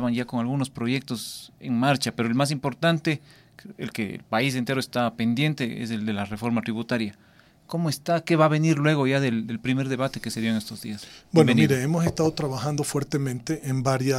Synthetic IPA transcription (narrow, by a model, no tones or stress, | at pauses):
βanʝako̞ŋalɣuno̞spɾo̞ʝe̞k̚t̪o̞seŋmaɾt͡ʃapeɾoelmas̬impo̞ɾt̪ant̪e̞ | ḛlkeḛlpais̬e̞nt̪e̞ɾoest̪ape̞nd̪je̞nt̪eḛse̞ld̪elare̞fo̞ɾmat̪ɾiβut̪aɾja | ko̞moest̪ake̞βaβe̞niɾlwe̞ɣ̞o̞ʝaðeld̪elpɾime̞ɾðe̞βat̪e̞keseðjoeŋe̞st̪o̞zðḭasbweeniɾeemosest̪aðot̪ɾaβaxand̪ofweɾt̪emẽnt̪eʔembaɾja